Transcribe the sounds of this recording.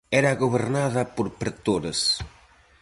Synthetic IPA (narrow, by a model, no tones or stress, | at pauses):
ɛɾɐɣoβeɾnaðɐpoɾpɾet̪oɾɐs